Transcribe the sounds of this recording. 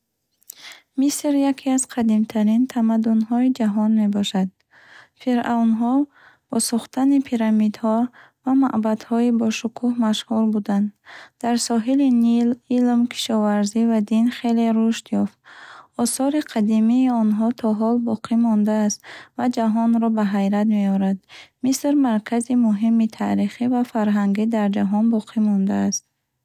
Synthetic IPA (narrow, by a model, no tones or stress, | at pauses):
misɾjakʰiaz̥qʰad̪imt̪ʰaɾint̪ʰamad̪unɦɔid͡ʒaɦɔnme̞bɔʃad̪̚ | fiɾawnɦɔ | b̥ɔsuχt̪anipʰiɾamid̪hɔ | vama̰ʔbad̪hɔibɔʃukʰuhmaʃhuɾbud̪and̪d̪̥aɾsɔɦilinililmkʰi̥ʃɔvaɾzivad̪inχe̞le̞ɾuʃt̪jɔft̪ɔsɔɾiqʰad̪imiːɔnɦɔt̪ʰɔɦɔlbɔqʰimɔnd̪aːst̪vad͡ʒaɦɔnɾɔbaɦajɾat̪me̞ɔɾad̪misɾmaɾkʰazimuɦimit̪ʰaɾiχivafaɾɦaŋɡid̪aɾd͡ʒaɦɔnbɔqʰimɔnd̪aːst̪̚